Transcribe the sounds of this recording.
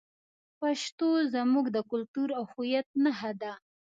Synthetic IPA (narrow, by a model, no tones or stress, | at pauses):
paʃt̪ozamuɡd̪əkʊlt̪uɾawhujat̪̚naɦad̪a